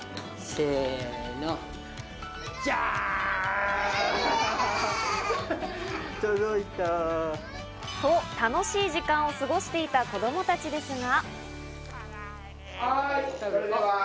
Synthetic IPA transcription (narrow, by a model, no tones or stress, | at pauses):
seːno | ja | t̪od̪oit̪a | sot̪ano̞ɕiːʑikãɰ̃o̞sɨɡo̞ɕi̥t̪e̞it̪ako̞d̪o̞mo̞t̪at͡ɕid̪e̞sɨŋa